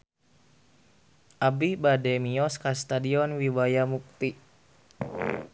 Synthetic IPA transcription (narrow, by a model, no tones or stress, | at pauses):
ʔabibadɛmiɔskast̪adiɔnwiwajamuk̚t̪i